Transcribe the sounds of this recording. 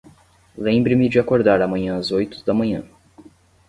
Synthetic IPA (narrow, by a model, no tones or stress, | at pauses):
lẽbɾɪmɪd͡ʒɪakoɾd̪aɾɐmɐ̃ɲɐ̃azojt̪ʊ̥d̪ɐmɐ̃ɲɐ̰̃